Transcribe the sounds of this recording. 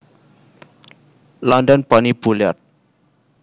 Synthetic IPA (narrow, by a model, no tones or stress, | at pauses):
lɔndənb̥anib̥ulja̰t̪̚